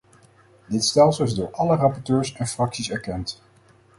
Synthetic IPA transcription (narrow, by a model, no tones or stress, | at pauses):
dɪtstɛlˠsəlˠɪzdʊːɹʔɑlərɑpɔɹtøːɹsɛnfrɑksisɛɹkɛnt